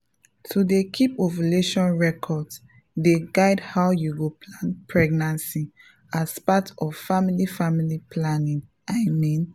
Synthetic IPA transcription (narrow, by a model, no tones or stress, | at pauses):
tʰudekʰipovileʃɔ̃nɹɛkʰɔds | deɡaɪdhaʊjuɡopʰlãnpʰɹɛɡnãnsi | aspatʰɔv̥familifamilipʰlanĩŋ | aɪmĩn